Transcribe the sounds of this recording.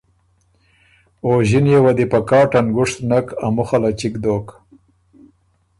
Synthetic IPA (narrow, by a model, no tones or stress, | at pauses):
oʑinjewad̪ipakɑːʈanɡʊʂt̪nakamʊxalat͡ʃikd̪oːk